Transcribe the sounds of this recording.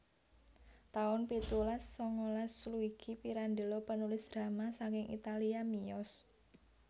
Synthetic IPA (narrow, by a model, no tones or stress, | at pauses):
t̪aʊnpit̪ulasːɔŋɔlasːluiɡ̥ipiɾand̪e̤lopənulɪsd̪̥ɾa̤masakɪŋḭt̪aliamiɔs